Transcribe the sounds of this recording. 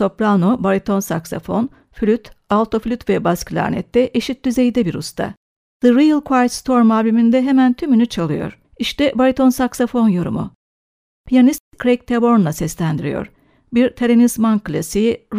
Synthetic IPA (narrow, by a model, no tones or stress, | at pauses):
so̞pɾanobaɾit̪ʰo̞nsaksa̰fo̞̰n | flʲyt̪alˠt̪ʰo̞flʲyt̪vɛbasklʲa̰ɾnɛ̰t̪ːɛʔeʃit̪̚d̪yze̞jd̪ɛbiɾust̪ʰa̰ | ð̥ɨɾijlˠkʰaj̪st̪ʰo̞ɾmaːbimind̪ɛɦemænt̪ʰymynyt͡ʃʰalˠɯjo̞̰ɾ̥ | iʃt̪ɛbaɾit̪ʰo̞nsaksafo̞njo̞ɾṵmṵ | pʰijanist̪kʰːɾejk̚t̪ʰebo̞ɾnlˠasɛslʲænd̪iɾḭjo̞̰ɾ | biɾt̪ʰeɾenizmankɯlʲasi